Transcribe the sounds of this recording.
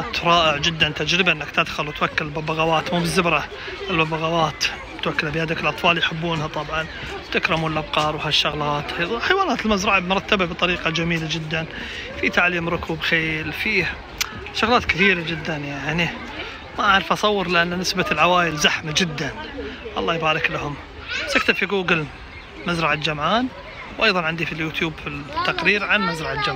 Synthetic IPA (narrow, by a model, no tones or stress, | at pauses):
t̪ɾˤɑːʔɪʕd͡ʒɪd̪ːant̪ad͡ʒɾɪbaʔɪnːakt̪ɪd̪xʊlwɪt̪wakːallbabaɣawaːt̪muːbɪzːɪbɾˤɑ | ʔɪlbabaɣawaːt̪ | t̪wakːɪlabɪhaːd̪akɪlʔɑt̪ˤfɑːljħɪbːuːnhat̪ˤɑbʕɑn | wt̪akɾˤɪmuːnlʔabqɑːɾˤwhaʃːʊɣlɑːt̪ħajwaːnaːt̪ɪlmazɾˤɑʕabmʊɾˤɑt̪ːababɪt̪ˤːɑɾiːqɑd͡ʒamiːlad͡ʒɪd̪ːan | fit̪aʕliːmɾʊkubxeːlfiː | ʃʊɣlɑːt̪kɪθiːɾad͡ʒɪd̪ːanjaʕni | maʕaːɾɪfʔɑsˤɑwːɨɾˤlɪʔanːnɪsbalʕawaːjɪlzaħmad͡ʒɪd̪ːanʔɑ̰lˤːɑːjbaːɾˤɪklahʊm | sak̚t̪abfiɡuːɡəl | mazɾˤɑʕad͡ʒamʕaːn | wʔɑjðˤɑnʕɪnd̪ifiljuːt̪juːbfit̪ːaqɾiːɾʕanmazɾˤɑʕad͡ʒam